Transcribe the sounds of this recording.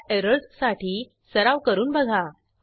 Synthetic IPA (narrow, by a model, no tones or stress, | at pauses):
eɾəɭssaʈʰiː | səɾaʋkəɾuːnbəɡʱa